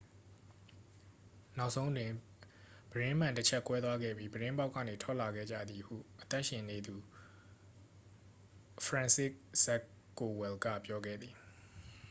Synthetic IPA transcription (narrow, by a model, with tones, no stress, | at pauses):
na˦ʊʔsʰõ˦ʊ̃ʔtwɪ̃˨ | b̥əɹɪ̃˦m̥ã˨ntət͡ɕʰɛ˦kwɛ˦t̪wa˦ɡɛ̰˦˨bji˦bəɹɪ̃˦mba˦ʊkːä̰˦˨ne˨tʰɔ˦ʔla˨ɡɛ̰˦˨d͡ʑa̰˦˨d̪ði˨hṵ˦˨ʔət̪a˦ʔʃɪ̃˨ne˨d̪u˨ | fʰɹã˨nsɪ˦ʔzɛ˦k | kːo˨wɛ˨lɡä̰˦˨pjɔ˦ɡɛ̰˦˨d̪ði˨